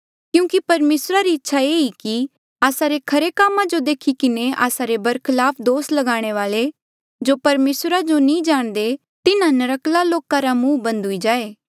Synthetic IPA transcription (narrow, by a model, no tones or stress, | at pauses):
kjũːkipɐɾmeːsɾaɾiɪtːʃʰaeːiki | aːsaɾekʰɐɾekaːmːãd͡ʒod̪eːkʰikɪneʔa̰ːsaɾebɐɾkʰɪlaːpʰd̪oːslɐɡaːɽ̃eʋaːle | d͡ʒoːpɐɾmeːsɾad͡ʒonĩd͡ʒaːɽ̃d̪e | t̪ɪnãnɐɾəklaloːkãɾamũːbɐ̃nd̪ʱɦʊid͡ʒaːeː